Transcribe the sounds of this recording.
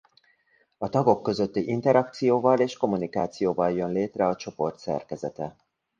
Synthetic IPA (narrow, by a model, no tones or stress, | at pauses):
ɒt̪ɒɡo̞kːø̞zø̞t̪ːiʔint̪ɛɾɒk̚t̪sijoːvɒleːʃko̞munikaːt̪sijoːvɒljø̞nleːt̪rɛɒt͡ʃo̞po̞rt̪sɛ̰rkɛzɛt̪ɛ